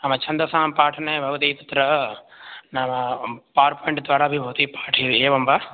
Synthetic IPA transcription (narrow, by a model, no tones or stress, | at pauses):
nɐmɐt͡ʃʰɐnd̪ɐsaːmpaːʈʰɐnɐjbʱɐʋɐt̪iːt̪ɐt̪ɾɐ | nɐmɐpaːɾpɐeɳʈd̪ʋaːɾaːɐbʱibʱɐʋt̪iːpḁːʈʰieːʋɐmba